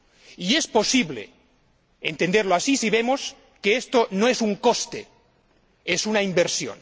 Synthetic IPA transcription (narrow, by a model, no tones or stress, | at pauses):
iespo̞siβlḛ | ent̪end̪eɾloasisiβ̞emos | keest̪onoesuŋkost̪e | esunaimbeɾsjo̰n